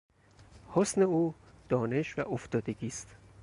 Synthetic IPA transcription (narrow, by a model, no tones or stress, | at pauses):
hosne̞uːd̪̥ɒːne̞ʃvæʔoft̪ɒːd̪e̞ɡiːst̪